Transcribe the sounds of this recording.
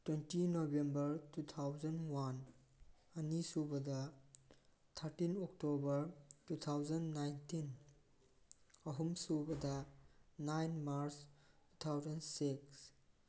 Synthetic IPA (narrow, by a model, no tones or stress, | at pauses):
twentinobembɐɾtut̪ʰawzɐnwan | ɐnisubɐdɐ | t̪ʰɐɾtinɔk̚tobɐɾtut̪ʰawzɐnnajntin | ɐɦumsubɐdɐnajnmaɾstu̥t̪ʰawzɐnsiks